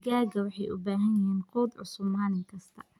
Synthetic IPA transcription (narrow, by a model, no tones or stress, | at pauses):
ɡaːɡɐwɑħɑjʔʊ̰baːɦɐnjɐɦiːnqɔːd̪ʕʊ̰sʊmaːlɪŋkʰɐst̪ʰɐ̥